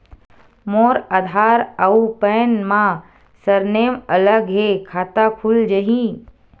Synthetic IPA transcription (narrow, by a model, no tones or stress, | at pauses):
moːɾaːd̪ʱaːɾəupəːnmã | səɾneːmələɡɦekʰaːt̪akʰʊld͡ʒəɦĩ